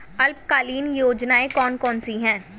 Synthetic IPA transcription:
ɐlp̚kaːliːnjoːd͡ʒnaːekɔːnkɔːnsiɦɛ̃ː

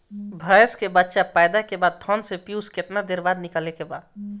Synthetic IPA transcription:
bʱəjskebətːʃapaːɪd̪akebaːd̪̚t̪ʰɔnsepjuːsket̪nad̪eːɾbaːd̪nɪkəlekebaːd̪

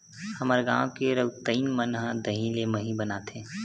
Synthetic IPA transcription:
həməɾɡã̰ːwkeɾəwt̪əinmənɦə̃d̪əɦĩleməɦĩbənaːt̪ʰẽː

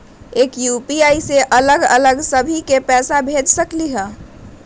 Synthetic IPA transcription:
ekjupiaiseʔələɡə̰ləɡsəbʱikepɛsabʱed͡ʒsəkliɦə̃

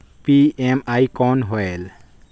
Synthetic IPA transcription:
piemajkɔnɦɔel

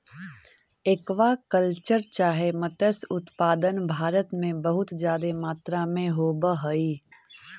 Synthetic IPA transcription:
ekʋakəlt͡ʃəɾt͡ʃaːɦemət̪əsʊt̪paːd̪ənbʱaːɾət̪mẽbɐɦʊt̪d͡ʒjaːd̪emaːt̪ɾamẽɦoːbəɦoiː

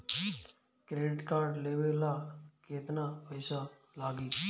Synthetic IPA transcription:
kɾeːʈkaːɾɖleːʋelakeːt̪napəɪsa | laːɡiː

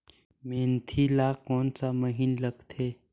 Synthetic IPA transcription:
mẽːnt̪ʰilaːkɔːnsaməɦinləɡt̪ʰeː

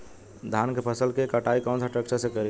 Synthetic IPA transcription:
d̪ʱankepʰəsəlkekəʈaikɔnsʰaʈɾək̚t͡ʃəɾsẽkəɾi

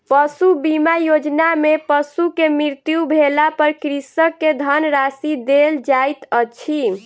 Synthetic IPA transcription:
pəsubimajod͡ʒnamepəsukemɾiɾt̪jubʱelapəɾkɾisəkːed̪ʱənɾasid̪eld͡ʒajt̪ət͡ʃʰi

